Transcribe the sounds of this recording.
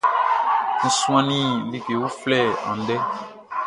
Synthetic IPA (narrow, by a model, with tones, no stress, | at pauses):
n̩˨sũ˦ã˦nĩ˦li˨ke˨wu˦flɛ˦˨ã̰˨˦dɛ˦